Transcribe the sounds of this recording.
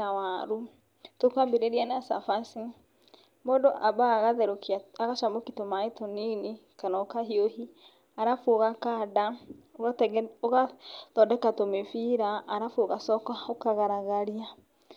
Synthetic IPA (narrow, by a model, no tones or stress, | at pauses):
awaɾu | tokwambeɾeɾianasa̰fasi | mɔdoʔabaːɣaðɛɾokiaaɣaʃamokitomaetɔninikanaɔkaɦiohi | aɾafoɣakadaoɣatoɣaðɔdɛkatomefiɾaːɾafoɣasɔkaokaɣaɾaɣaɾia